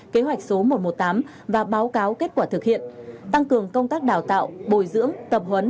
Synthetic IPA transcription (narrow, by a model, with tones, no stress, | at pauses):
ke˨˦ɦwa˨˩jk̚so˨˦mo˨˩t̚mo˨˩t̚t̪aː˨˦m | vaː˨˩ɓaː˨˦wkaː˨˦wke˦˥t̚kwaː˧˩t̪ʰɨ˨˩k̚hḭ˧˨ənt̪a˧ŋkɨ˨˩əŋkə˧wŋ͡mt̪aː˦˥k̚ɗaː˧˨˩wt̪a̰ː˧˨wɓo˧˩jzɨ̰˧˥əŋt̪ə˨˩p̚hwə˨˦n